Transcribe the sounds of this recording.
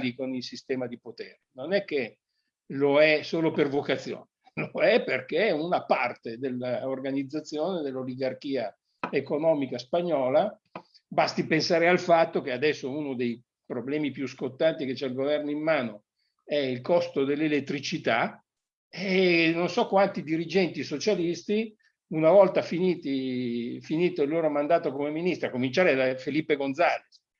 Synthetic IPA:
likonilsist̪ɛːmad̪ipot̪eːɾenonɛkːe | loɛsoːlopervokat̪sːjo̰ːne | loɛperkeunapart̪ed̪elːaorɡanid̪zːat̪sːjoːned̪elːoliɡarkiːa | ekonɔːmikaspaɲːɔːla | bast̪ipensaːɾealfat̪ːok̟ead̪ɛsːounod̪ej | pɾoblɛːmipjuskot̪ːant̪iket͡ʃːɛilɡovɛrnoimːaːno | ɛilkɔst̪od̪elːelet̪ːɾit͡ʃit̪a | enonsɔkwant̪id̪iɾid͡ʒɛnt̪isot͡ʃalist̪i | unavɔlt̪afiniːt̪ifiniːt̪eilːoːɾomand̪aːt̪okomeminist̪ɾakːomint͡ʃaːɾed̪afelipːeɡond̪zaːles

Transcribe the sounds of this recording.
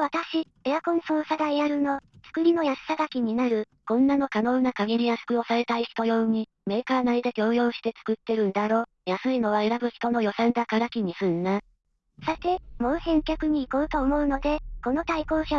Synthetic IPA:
β̞at̪aɕi | ejakõ̞nɰ̃soːsad̪aiaɾɯ̟no̞t͡sɨ̥kɯ̟ɾʲino̞jaɕsad̪akʲiɲ̟inaɾɯ̟ | kõ̞nːano̞kano̞ːnakaɡʲiɾʲijasɨ̥kɯ̟o̞saɾe̞t̪aiçi̥t̪o̞jo̞ɯɲ̟i | me̞ːkaːnaid̪e̞kʲo̞ːjo̞ːɕi̥t̪e̞t͡sɨ̥kɯ̟t̪ːe̞ɾɯ̟̃nd̪aɾo̞ː | jasɨino̞β̞ae̞ɾabɯ̟çi̥t̪o̞no̞jo̞sãnd̪akaɾakʲiɲ̟isɨnːa | sat̪e̞mo̞ːhẽ̞ŋkʲakɯ̟ɲ̟iːko̞ːɯt̪o̞ːmo̞ɯ̟no̞d̪e̞ko̞no̞t̪aiko̞ːɕa

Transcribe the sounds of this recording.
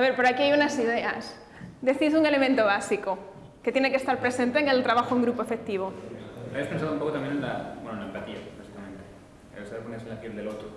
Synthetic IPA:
aβe̞ɾpoɾakiajunasið̞e̞as | d̪e̞θisuŋe̞le̞mẽnt̪o̞β̞asiko̞ | ket̪jene̞kest̪aɾpɾe̞se̞nt̪eːŋe̞lt̪ɾaβaxouŋɡɾupo̞efe̞k̚t̪iβ̞o̞aβjaspe̞nsaðoumpo̞ko̞t̪amjenenla̰bwenonlaempat̪ia̰basi̥kamẽnt̪e | a̰esaeponesenlapjelðe̞lot̪ɾo

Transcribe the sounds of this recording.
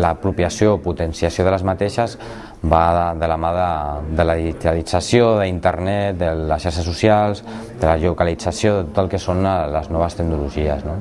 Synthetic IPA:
lapɾupjəsjoput̪ənsiasioðələzmat̪eʃəz | baðəlamaðəd̪əlaðiiit̪alid͡zasjoðəint̪əɾnɛt̪̚d̪ələsʃaɾʃ̬əs̬usialˠzd̪əlaʒukalid͡zasjoðət̪ot̪əlˠkəsonləznɔβ̞əst̪əknuluʒiəzno

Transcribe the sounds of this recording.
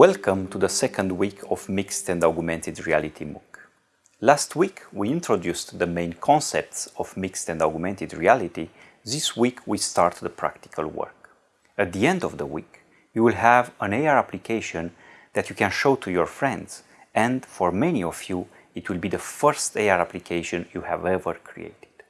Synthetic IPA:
wɛlˠkə̃mt̪uðəsɛkʰə̃ndwikʰɔvmikstɛ̃ndaɹɡjumɛ̃ntɪd̪ɹiæ̰lit̪ʰimṵk | læstʰwikwiɪ̃ntɹod̪justðəmẽɪ̃nkʰɔ̃nsɛ̰p̚tsɔvmɪkstɛ̃ndaɹɡjumɛ̃nt̪ɪd̪ɹiælit̪i | ðiswikʰwistaɹt̪ðəpʰɹa̰kt̪i̥kʰə̰lˠwɜ̰ɹk | æt̪̚d̪iɛ̃ndɔvðəwḭk | juwilɦævə̃neɪaɹæplikʰeɪʃɔ̃n | ðætʰjukɛ̃nʃoʊt̪ʰujɔɹfɹɛ̃ndz̥ | ɛ̃ndfɔɹmɛniɔvju | it̪wilbid̪əfɜɹst̪eaɹaplikʰeɪʃɔ̃njuhævɛvəɹkʰɹḭḛɪt̪ɪ̥d̪̥

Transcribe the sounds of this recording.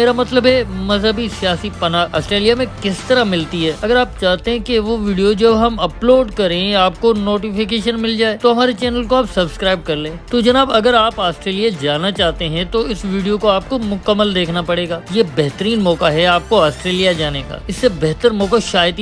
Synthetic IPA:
eːɾamɐt̪ləbɦɛmɐzɦəbisijaːsipɐnaːaːsʈɾeːlijamẽkɪst̪ɐɾamɪlt̪iɦɛːɐɡəɾaːpt͡ʃaːɦt̪eɦɛ̃kiʋoʋiːɖijod͡ʒɐbɦɐmɐploːɖkɐɾẽaːp̚konoːʈifɪkeːʃənmɪld͡ʒaːeːt̪oɦɐmaːɾet͡ʃɛːnəlkoaːpsɐbskɾaːɪb̚kɐɾlẽːt̪od͡ʒɐnaːbɐɡəɾaːpaːsʈɾeːlijad͡ʒaːnat͡ʃaːɦt̪eɦɛ̃t̪oɪsʋiːɖijokoaːp̚komʊkəmːəld̪eːkʰnapɐɽeːɡaːjebɛɦt̪əɾiːnmɔːkaɦɛaːp̚koaːsʈɾeːlijad͡ʒaːneka̰ːɪsːebɛɦt̪əɾmɔːkaʃaːjət̪i

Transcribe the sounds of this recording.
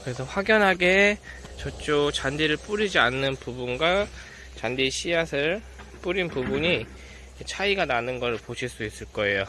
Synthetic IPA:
kɯɾe̞sʰʌɸwaɡjʌnɦaɡe̞ | t͡ɕʌt͡ɕ͈ot͡ɕandiɾɯɭp͈uɾid͡ʑianːɯnpubunɡwa | t͡ɕandiɕʰijasʰɯɭ | p͈uɾinpubuɲi | t͡ɕʰaiɡananɯnɡʌɾɯɭpoɕʰiɭs͈uis͈ɯɭk͈ʌe̞jo

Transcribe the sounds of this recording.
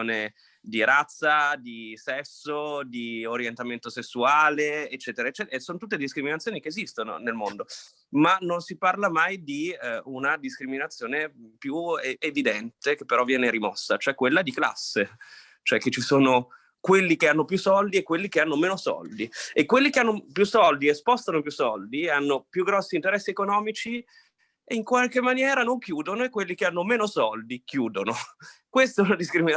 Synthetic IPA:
oːne | d̪iɾat̪sːad̪isɛsːod̪ioɾjent̪ament̪osesːuaːleet͡ʃːɛːt̪eɾaet͡ʃːɛːt̪soːnot̪ut̪ːed̪iskɾiminat̪sːjoːnikeːzist̪ono̰nelmond̪o | manonsiparlamajd̪iunad̪iskɾiminat̪sːjoːnepjueevid̪ɛnt̪ek̟epːeɾɔvːjɛːneɾimɔsːat͡ʃoɛkːwelːad̪ikla̰sːe | t͡ʃoɛkːet͡ʃːisoːno | kwelːikeanːopjusɔld̪iekwelːikeanːomeːnosɔ̰ld̪iekːwelːikeanːopjusɔld̪iespɔst̪anopjusɔld̪ianːopjuɡɾɔsːint̪eɾɛsːiekonɔːmit͡ʃi | eiŋkwalkemːanjɛːɾanoŋkjuːd̪onoekːwelːikeanːomeːnosɔld̪ikjuːd̪onokwest̪ɛunad̪iskɾimin

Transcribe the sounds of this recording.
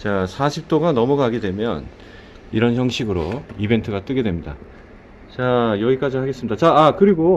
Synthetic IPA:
t͡ɕasʰaɕʰip̚t͈oɡanʌmʌɡaɡidwe̞mjʌ̰n | iɾʌnçjʌŋɕʰiɡɯɾoibe̞ntʰɯɡat͈ɯɡe̞dwemɲida̰ | t͡ɕajʌɡik͈ad͡ʑihaɡe̞s͈ɯmidat͡ɕaːkɯɾiɡo

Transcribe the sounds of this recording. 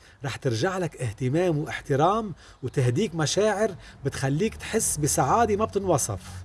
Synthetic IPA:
ɾˤɑːħt̪ɪɾʒaʕlakʔɪht̪ɪmaːmwʔɪħt̪ɪɾaːm | wt̪ɪɦd̪iːkmaʃaːʕɪɾbɪt̪xalːiːkt̪ħɪsːbɪsaʕaːd̪imab̚t̪ɪnwɑsˤɑ̰f

